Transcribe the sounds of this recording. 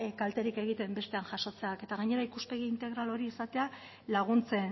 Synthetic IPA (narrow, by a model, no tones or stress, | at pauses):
kalt̪e̞ɾike̞ɣ̞it̪e̞mbe̞st̪e̞anʝaʃo̞t͡se̞ake̞t̪aɣaɲe̞ɾaikuspe̞ɣ̞iint̪e̞ɣɾalo̞ɾiisat̪e̞a | laɣ̞unt͡se̞n